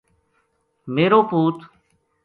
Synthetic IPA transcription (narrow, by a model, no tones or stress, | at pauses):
meːɾoːpuːt̪